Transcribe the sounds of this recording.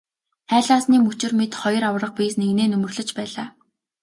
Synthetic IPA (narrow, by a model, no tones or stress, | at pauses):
χæːɮaːsniːmɵt͡ɕɪ̆rmet̪χɔj̆rawrə̆q̚piːsneɣneːnɵmɵ̆rɮɵ̆t͡ɕpæːɮaː